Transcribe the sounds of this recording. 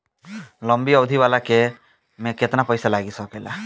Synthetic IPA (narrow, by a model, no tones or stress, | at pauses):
lɔmbiɔd̪ʱibalake | mẽket̪napɔjsalaɡisɔkela̰